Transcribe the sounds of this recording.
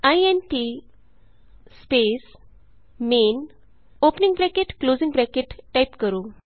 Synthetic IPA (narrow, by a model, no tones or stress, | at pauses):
ajenʈi | spes | men | opnĩŋɡbɾɛkeʈkloziŋbɾɛkeʈːajpkəɾuː